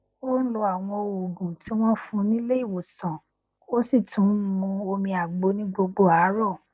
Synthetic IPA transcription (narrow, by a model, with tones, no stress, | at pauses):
o˦n̩˦lo˧a˨w̃ɔ̃˧o˨ɡũ˨tʰi˨˦w̃ɔ̃˦fũ˧˦nĩ˦le˦i˦˨wo˨sã˨ | o˦si˦˨tũ˨˦mũ˧o˧mĩ˧a˨ɡ͡bo˧nĩ˦ɡ͡bo˧ɡ͡bo˦a˨˦ɾɔ˦˨